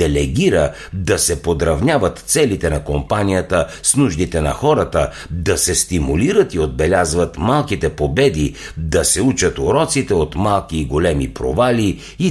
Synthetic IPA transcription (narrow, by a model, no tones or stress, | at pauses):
ɛlɛɡʲiɾə | d̪ɐsɛpod̪ɾɐvnʲavət̪t̪sɛlit̪ɛnɐkompanijət̪əsnuʒd̪it̪ɛnɐ̰xɔɾət̪ə | d̪ɐsɛst̪imuliɾət̪iod̪̚bɛlʲazvət̪malˠkit̪ɛpobɛd̪i | d̪ɐsɛut͡ʃət̪oɾɔt̪sit̪ɛot̪malˠkiːɡolɛmipɾo̰vali | i